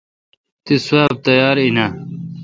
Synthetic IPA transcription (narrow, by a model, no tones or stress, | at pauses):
t̪isuaːb̚t̪ɐjaːɾina